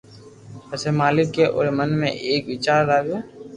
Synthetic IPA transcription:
ɛsemaːlɪkːeʔo̰ːɾmənmḛ̃ʔeːkʋɪt͡ʃaːɾɾaːɡeː

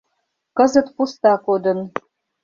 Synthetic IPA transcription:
kəzə̆t̪pust̪ɑkod̪ə̆n

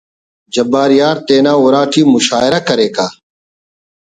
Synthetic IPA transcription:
d͡ʑɐbaːɾijaːɾt̪eːnaːuɾaːʈʰiːmʊʃaːɪɾɐkɐɾeːkaː

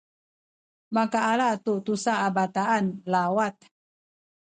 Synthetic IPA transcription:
makaːlat̪ut̪usaabat̪aanlawat̪̚

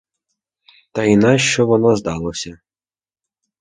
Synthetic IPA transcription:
t̪ɐinɑʃt͡ʃɔʋɔnɔzd̪ɑlˠɔsʲɐ

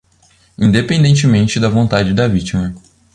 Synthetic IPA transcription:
ĩnd̪epẽnd̪ẽnt͡ʃɪmẽnt͡ʃɪd̪ɐvõnt̪ad͡ʒɪd̪ɐvit͡ʃimɐ

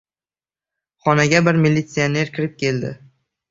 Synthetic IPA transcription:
χɒnaɡʲabɪɾmilʲːit̪sione̞ɾkʲʰɪɾɪp̚kʲe̞ld̪ɪ̰

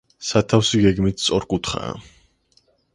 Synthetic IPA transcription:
sat̪ʰafsiɡɛɡmit̪t̪sʼɔɾkʼut̪ʰχa̰ː

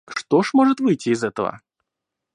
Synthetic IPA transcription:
ʂt̪oʂmoʐɨt̪vɨjtʲːɪːzɛt̪əvə̰

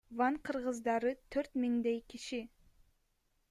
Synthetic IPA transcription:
vɑnqʰɯɾʁɯzd̪ɑɾɯt̪ʰøɾt̪miŋd̪ejkʲʰiʃi

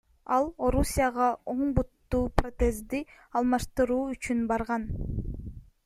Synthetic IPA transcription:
ɑlˠo̞ɾusʲijaʁɑoɴbut̪ːuːpro̞t̪e̞zd̪i | ɑlˠmɑʃt̪ɯɾuːyt͡ʃynbɑɾʁɑn

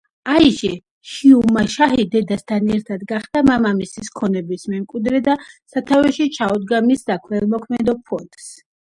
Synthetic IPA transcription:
aiʃɛ | ʃiumaʃaɦid̪ɛd̪ast̪ʰanɛɾt̪ʰad̪ɡaχd̪amamamisiskʰɔnɛbismɛmkʼwid̪ɾɛd̪asat̪ʰavɛʃit͡ʃʰaɔd̪̚ɡamisd̪akʰɾɛlˠmɔkʰmɛd̪ɔpʰɔt̪ʼs

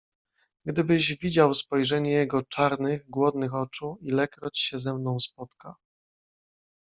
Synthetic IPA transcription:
ɡd̪ɘbɘʑvʲid͡ʑawspɔjʐɛɲɛjɛɡɔt͡ʂaɾnɘɣɡwɔd̪nɘxɔt͡ʂuilɛkɾɔt͡ɕɕɛzɛmnɔ̃w̃spɔt̪ka

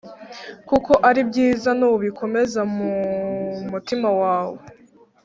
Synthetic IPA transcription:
kuko̞ʔaɾib̚ɟiːzanuβuβikʰo̞me̞zamu | mutimawaːwo

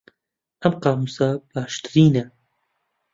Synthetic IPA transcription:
ɐmqɑːmusab̥aːʃt̪ɨɾiːnɐ

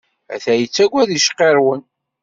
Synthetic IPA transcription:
æ̰θæjət͡sːæɡʷæðiʃqːeɾˤwən

